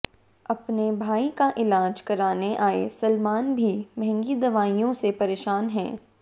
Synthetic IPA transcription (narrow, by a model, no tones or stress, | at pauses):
ɐpnebʱaːikaʔɪlaːd͡ʒkɐɾaːneʔaːḛsɐlmaːnbʱimɛɦɛ̃ŋɡid̪ɐʋaːijõsepɐɾeːʃaːnɦɛ̰̃ː